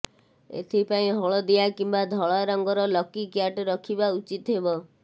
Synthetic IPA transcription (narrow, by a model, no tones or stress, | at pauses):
ḛt̪ʰipaĩɦɔɭɔd̪iakimbad̪ʱɔɭaɾɔŋɡɔɾɔlɔkikjaʈɔɾɔkʰibaut͡ʃit̪ɦebɔ